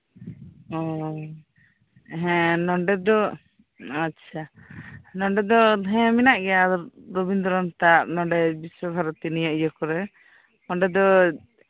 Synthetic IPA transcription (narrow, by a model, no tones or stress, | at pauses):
ɔ | ɦɛ̃nɔɳɖɛd̪ɔ | atːʃʰa | nɔɳɖɛd̪ɔɦɛ̃minaʔɡɛad̪ɔɾɾobind̪ɔɾɔnt̪aʔnɔɳɖɛbiswɔbʱaɾɔt̪inijɔʔjɔkɔɾɛ | nɔɳɖɛd̪ɔ